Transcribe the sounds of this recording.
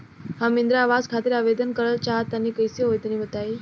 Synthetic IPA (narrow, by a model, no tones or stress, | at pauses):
ɦãmind̪ɾəaʋad͡zkʰat̪iɾaʋed̪ənkəɾəlt͡ɕaɦət̪ːjanːiːkəjseɦojt̪əñĩːʋət̪ai